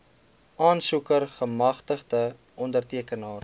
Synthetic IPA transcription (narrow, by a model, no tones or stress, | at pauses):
ɑːnsukərχəmɐχtəχdə | ʔɔndərtiəkənɑːr